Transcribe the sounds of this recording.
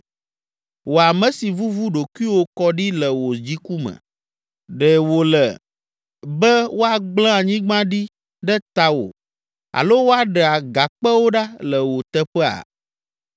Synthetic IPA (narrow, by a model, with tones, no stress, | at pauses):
wo˨a˨mɛ̃˨˦si˨vu˦vu˦ɖo˨ku˦i˦wo˦kɔ˦ɖi˦lə˨wo˨d͡ʑi˦ku˦mɛ̰̃˨ | ɖɛ˨wo˨lɛ˨ | bɛ˦wo˦a˨ɡ͡blã˦a˨ɲĩ˦ɡ͡bã˦ɖi˦ | ɖɛ˦t̪a˦wo̰˨ | a̰˨lo˦wo˦a˦ɖɛ˨a˨ɡa˨k͡pɛ˦wo˦ɖa˦lɛ˨wo˨t̪ɛ˦ɸɛ˦a̰˨